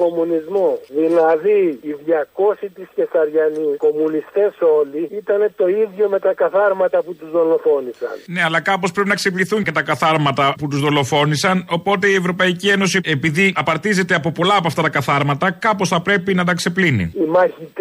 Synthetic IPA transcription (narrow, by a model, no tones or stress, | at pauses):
ko̞munizmosðilɐðiːðjɐko̞sit̪isce̞sɐɾʝɐniko̞munist̪e̞so̞liit̪ɐne̞t̪o̞iðʝo̞met̪ɐkɐθɐɾmɐt̪ɐput̪uzðo̞lo̞fo̞nisɐ̰nne̞ɐlɐkɐpospɾe̞pinɐksepliθuɲcet̪ɐkɐθɐɾmɐt̪ɐput̪uzðo̞lo̞fo̞nisɐno̞po̞t̪e̞ie̞vɾo̞pɐicie̞no̞sie̞piðiɐpɐɾt̪ize̞t̪e̞ɐpo̞po̞lɐːpoɐft̪ɐt̪ɐkɐθɐɾmɐt̪ɐkɐpo̞sθɐpɾe̞pinɐt̪̬ɐkse̞plinḭimɐçit̪